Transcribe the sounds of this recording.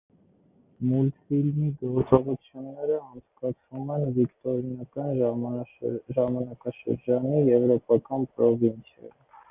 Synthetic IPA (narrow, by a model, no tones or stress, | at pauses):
mult̪filmiɡɔɾt͡sɔʁut͡sʰjunːɛɾəɑnt͡sʰkɑt͡sʰvumɛnvikt̪ɔɾinɑkɑn | ʒɑmɑnɑkɑʃə̰ɾd͡ʒɑnijɛvɾɔpɑkɑnpɾɔvint͡sʰjɑ̰ji